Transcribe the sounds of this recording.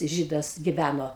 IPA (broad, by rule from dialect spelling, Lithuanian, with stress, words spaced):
ˈʒʲiːdɐs ɡʲɪˈʋʲænoː